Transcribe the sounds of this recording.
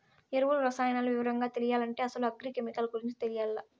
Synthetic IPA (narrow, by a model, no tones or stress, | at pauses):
eɾuʋuluɾɐsaːjɐnaːluʋiʋɐɾɐŋɡaːt̪e̞lijaːlɐɳʈe̞ːɐsɐluɐɡɾikemikɐlɡuɾiɲt͡ʃi̥t̪elijaːlːɐ